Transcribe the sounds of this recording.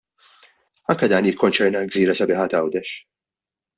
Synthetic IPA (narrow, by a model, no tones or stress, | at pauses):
ɐŋkɐd̪ɐːnjɪkʰːɔnt͡ʃɛɾnɐɡziːɾɐsɐbɪːħɐt̪ɐwd̪ɛʃ